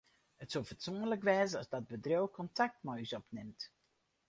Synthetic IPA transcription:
ətsolˠvətsɔŋələkʋɛːzəɑzdɑd̚bədrowkɔntak̚tmɔjsɔpnɪmt

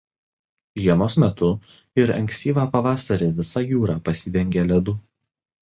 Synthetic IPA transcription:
ʒʲiɛmoːsmʲɛt̪ʊ | ɪɾɐ̰ŋʲksʲt̪ʲiːʋɑːpɐʋɑːsɐɾʲɪʋʲɪsɑjuːɾɑːpɐsʲɪd̪ʲɛŋʲɡʲelʲɛd̪ʊ

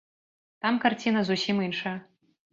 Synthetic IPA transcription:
t̪amkart͡sʲinɐzusʲiminʂɐjɐ

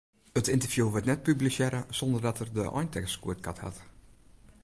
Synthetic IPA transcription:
ətʰɪntərvjuʋətnɛt̚pyblisjɛɾəsɔndərdɔtərdəʔɔ̰jntʰɛkskuət̚kʰatha̰t

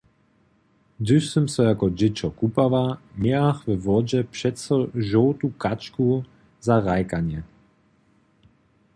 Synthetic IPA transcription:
d̪ʏsəmsɔjakɔd͡ʑɪt͡ʃɔkupavaɲɛaxvɛvɔd͡ʑɛpʂɛtsɔʒɔwt̪ukat͡ʃku | zaʁajkaɲɛ

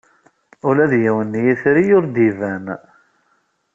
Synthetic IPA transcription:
ʊlæðjiwənːjiθɾijʊɾd̪ivæn

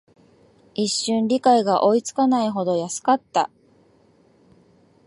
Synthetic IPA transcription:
iɕːɨ̃nɾʲikaiɡaʔo̞it͡sɨ̥kanaiɦo̞d̪o̞jasɨ̥kat̪ːa̰

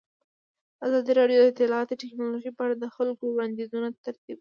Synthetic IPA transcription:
azɑd̪iɾɑɖjod̪əɪt̪ɪlɑɑt̪əʈɪknɑloʒipəaɽad̪əxalkowɽɑnd̪izunat̪aɾt̪ib̚

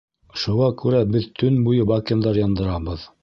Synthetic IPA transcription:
ʃuʁɑkʉɾæbɘðt̪ʰɵnbujɤbɑkʲind̪ɑɾjɑnd̪ɤ̆ɾɑbɤð

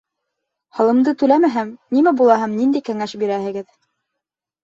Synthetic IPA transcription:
hɑ̆lˠɤ̆md̪ɤt̪ʉlæmæɦæmnimæbulˠɑɦɑmnind̪æjkæŋæʃbiɾæhɘ̆ɡɘð

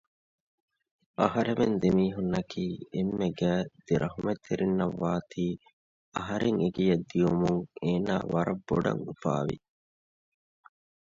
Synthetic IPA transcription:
ɐɦɐɾemend̪emiːɦunːɐkʰiːemːeɡæːd̪̥eɾʔɐɦumet̪ʰːeɾinːɐʋːaːt̪ʰiː | ɐɦɐɾeŋeɡijɐd̪ːijumuŋeːna̰ːʋɐɾɐbːoɖɐ̰ŋufa̰ːʋḭ

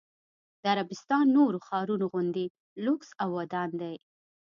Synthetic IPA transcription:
d̪əaɾabɪst̪ɑnːoɾoxɑɾunoɣʊnd̪e | lʊksawːad̪ɑnd̪aj

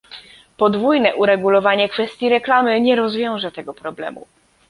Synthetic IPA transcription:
pɔd̪vujnɛʔuɾɛɡulɔvaɲɛkfɛst̪ʲjiɾɛklamɘɲɛɾɔzvʲjɔ̃w̃ʐɛt̪ɛɡɔpɾɔblɛ̰mṵ

